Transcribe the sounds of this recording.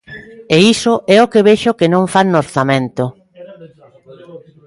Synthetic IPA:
eisʊʔɛokeβeʃʊkenõɱfannoɾθamẽnt̪ʊ

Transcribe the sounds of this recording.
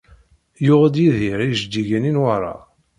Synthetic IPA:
jʊʁəd̪jiðiɾiʒd̪iʝæninwaɾˤɑ̰

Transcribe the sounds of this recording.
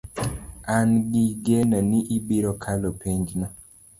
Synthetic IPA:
anɡiɡenɔniʔibiɾɔkʰalɔpʰeɲd͡ʒnɔ

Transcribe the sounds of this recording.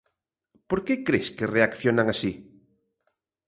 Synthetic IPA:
poɾkekɾeskɪreakθjonaŋasi

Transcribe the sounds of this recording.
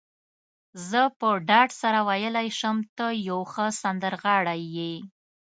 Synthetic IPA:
zəpəɖɑɖsaɾawajəlajʃəmt̪əjawxəsand̪əɾɣɑɽajːe

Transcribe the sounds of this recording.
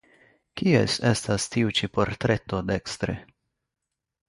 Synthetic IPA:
kiḛse̞stastiut͡ʃipo̞ɾtɾe̞to̞de̞kstɾḛ

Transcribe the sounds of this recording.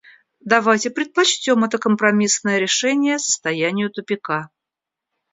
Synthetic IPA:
d̪ɐvajtʲɪpɾʲɪt̪̚pɐt͡ɕtʲo̞mɛt̪əkəmpɾɐmʲisnəjəɾʲɪʂɛnʲɪjəsə̥st̪ɐjænʲɪjʊt̪ʊpʲɪka

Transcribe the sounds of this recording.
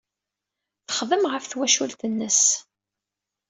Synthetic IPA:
θə̥χðəmʁəfθwæʃult̪ənːəs

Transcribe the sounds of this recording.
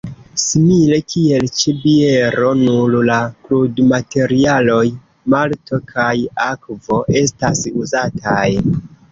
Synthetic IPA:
simile̞kʰie̞lt͡ʃebie̞ɾo̞nullakludmate̞ɾialo̞j | malto̞kʰajakvo̞ʔe̞stasuzatʰaj

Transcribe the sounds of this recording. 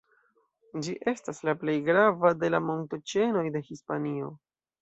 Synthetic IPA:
d͡ʒiʔe̞staslaple̞jɡɾavade̞lamo̞nto̞t͡ʃe̞no̞jde̞hispanio̞

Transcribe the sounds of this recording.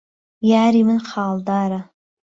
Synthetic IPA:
jaːɾimɨnqʰaːldaɾa

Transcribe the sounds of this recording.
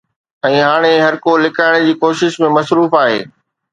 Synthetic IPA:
ɛ̃ːɦaːɽ̃eɦɐɾkolɪkʰaːɪɽ̃d͡ʑiːkoːʃɪʃmẽmɐsɾuːfaːɦḛː

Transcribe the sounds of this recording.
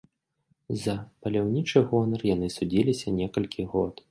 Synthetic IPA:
zɐpɐlʲawnʲit͡ʂɨɣɔnɐrjan̪ɨsud͡zʲilʲisʲɐnʲɛkɐlʲkʲiɣɔt̪

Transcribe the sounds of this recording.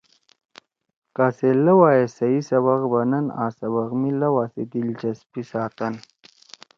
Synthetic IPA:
kaːselːɐwaːjesɐisɐβɐɣbɐnɐna̰ːsɐβɐɣmilɐwaːsid̪ilt͡ɕɐspisaːt̪ɐn

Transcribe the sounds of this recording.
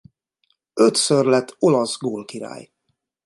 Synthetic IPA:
øt̪sørlɛt̪ʰːulɒzɡoːlkiɾa̰ːj

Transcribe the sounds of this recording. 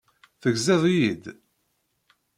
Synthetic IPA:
θəɡzɪðˤjid̪

